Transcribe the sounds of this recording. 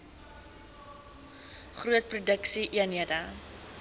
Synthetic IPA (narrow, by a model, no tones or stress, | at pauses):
χruət̚prudəksiʔiəniəda